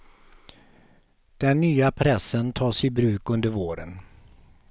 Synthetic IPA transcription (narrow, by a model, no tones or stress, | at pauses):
d̪̥ɛnːyːapʰɾɛsːənt̪ʰɑːsɪbɾʉ̟ːkɵnd̪əɾvoːɾə̰n